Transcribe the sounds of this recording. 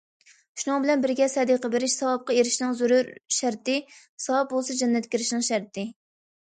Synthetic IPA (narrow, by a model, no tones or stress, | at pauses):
ʃunɨŋbɪlɛnbɪɾɡʲɛsɛd̪iqɑbeɾɪʃsɑwɑp̚qɑeɾɪʃnɪŋzuɾuɾʃæɾt̪ɪ | sɑwɑp̚bolˠsɑd͡ʒɛnːɛt̪kʲiɾɪʃnɪŋʃæɾt̪ɪ